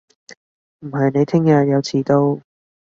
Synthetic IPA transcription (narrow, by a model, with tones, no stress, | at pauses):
m̩˨˩ɦɐ˨jne˨˧jt̪ʰɪ˥ŋjɐː˧jɐ˨˧wt͡sʰiː˨˥t̪o˥w